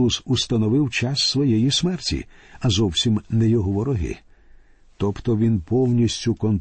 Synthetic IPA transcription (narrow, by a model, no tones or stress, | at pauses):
usust̪ɐnɔʋɪwt͡ʃasːʋɔjɛjismɛrtʲḭɐzɔwsʲimnɛjɔɦɔʋɔɾɔɦɪ̰ | t̪ɔpt̪ɔʋʲinpɔwnʲisʲtʲʊkɔn